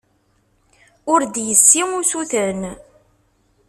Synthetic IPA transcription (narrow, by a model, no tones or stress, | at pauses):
ʊɾd̪jəsːiŋusuθən